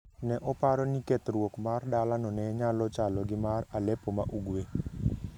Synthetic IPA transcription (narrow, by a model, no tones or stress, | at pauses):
nɛʔɔpaɾɔnikɛt̪ɾwokmardalanɔnɛɲalɔt͡ʃalɔɡɪmaralɛpomaʔuɡwe